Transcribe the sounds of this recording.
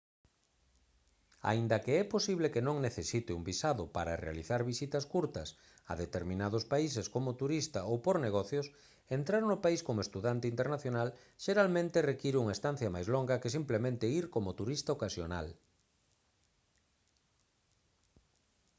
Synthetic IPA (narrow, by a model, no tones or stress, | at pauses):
a̰ind̪ɐkeɛposiβlekenõŋneθesit̪ɪumbisaðʊpaɾɐrea̰liθaɾβisit̪ɐskuɾt̪ɐs | ɐ̰ðet̪eɾmĩnað̞ʊspais̬eskomʊt̪uɾist̪aowpoɾneɣɔθjʊs | ent̪ɾaɾnʊpaiskomoest̪uðant̪eint̪eɾnaθjonal | ʃeɾalmẽnt̪erekiɾuŋaest̪an̟θjɐmajzloŋɡɐkesimplemẽnt̪eiɾkomʊt̪uɾist̪aokasjona̰l